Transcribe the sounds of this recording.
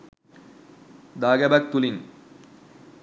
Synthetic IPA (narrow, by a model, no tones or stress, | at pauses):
d̪aːɡɐbɐk̚t̪uliŋ